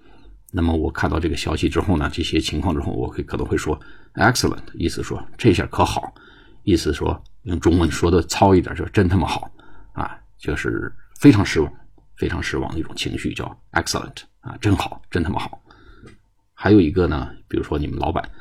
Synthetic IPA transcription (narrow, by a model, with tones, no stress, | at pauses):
na˥˩mə˩wɔ˨˩kʰa˥˧nt̪ɑ˥˧ʈ͡ʂɤ˥˩ɡə˩ɕjɑ˥ɕi˨˩ʈ͡ʂɻ̩˥xo˥˩ʊnə˩ʈ͡ʂɤ˥˩ɕjɛ˥t͡ɕʰi˧˥ŋkʰwɑ˥˧ŋʈ͡ʂɻ̩˥xo˥˩ʊwɔ̰˨˩kʰkʰnɤ˧˥ŋxwe˥˩ʂwɔ˥ɛ˥ksə˨lə̰˨˩ntʰi˥˧˩sɹ̩˧˩ʂwɔ˥ʈ͡ʂɕjə̰˥˩kʰɤ˧˥xɑ˨˩˦ʊ | i˥˩sɹ̩˧˩ʂwɔ̰˥jʊ˥˩ŋʈ͡ʂʊ˥ŋwə˧˥nʂwɔ˥d̪ə˨t͡sʰɑ˥ʊi˥˩t̪j̰t͡ɕjo˥˧˩ʈ͡ʂə˥nt̪ʰə˥˩mə˨xɑ˨˩˦ʊɐ̰˧˩ | t͡ɕjo˥˧ʊʂɻ̩̰˥˩fe˥ɪʈ͡ʂʰɑ˧˥ŋʂɻ̩˥wɑ˨˩˦ŋ | fe˥ɪʈ͡ʂʰɑ˧˥ŋʂɻ̩˥wɑ̰˧˥ŋd̪ə˧i˥˩ʈ͡ʂʊ˨˩ŋt͡ɕʰi˧˥ŋɕy˥˧˩t͡ɕjɑ˥˩ʊɛ̰˥ksə̰˨lə̰˨˩ntʰ | ɐ̰˨ʈ͡ʂə˥nxɑ˨˩˦ʊʈ͡ʂə˥nt̪ʰa˥˩mə̰˨˩xɑ˨˩˦ʊ | xa˧˥ɪjo˨˩ʊi˧˥ɡə˧nə˨pi˨˩ɻu˧˥ʂwɔ˥ni˨˩mə˦nlɑ˧˥ʊpa̰˨˩˦n